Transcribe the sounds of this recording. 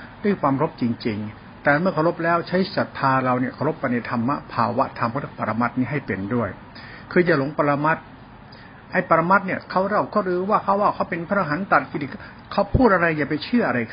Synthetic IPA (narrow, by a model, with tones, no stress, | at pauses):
da˥˩˨jkʰwaː˧mɾo˦˥p̚t͡ɕi˧ŋt͡ɕi˧ŋ | t̪ɛː˨˩mɯ˥˩ɐkʰa˧˩wɾo˦˥p̚lɛː˦˥wt͡ɕʰa˦˥jsa˨˩t̪ʰːaː˧ɾa˧wni˥˩ɐkʰa˧˩wɾo˦˥pːa˧jna˧˩t̪ʰa˧mːa˦˥pʰaː˧wa˦˥ʔt̪ʰa˧mka˥˩t̪ʰːpa˧ɾa˧ma˦˥t̪̚niː˦˥˩ɦa˥˩jpe˧ndu˥˩əj | kʰɯː˧jaː˨˩lo˨˩˦ŋpa˧ɾa˧ma˦˥t̪̚ | ʔa˧˩jpa˨˧ɾa˧ma˦˥t̪̚ni˥˩ɐkʰa˦˥˩wɾa˧˩wkɔː˥˩ɾɯː˧waː˥˩kʰa˦˥˩waː˥˩wkʰa˦˥wpe˧npʰa˧˥ɾa˧ɦa˩˦nt̪a˨t̪̚ki˧˩i˨˧˩ | kʰa˦˥˩wpʰuː˥˩t̪̚ʔa˧ɾa˧jːaː˨˩pa˧jt͡ɕʰɯ˥˩ʔa˧ɾa˧jʰ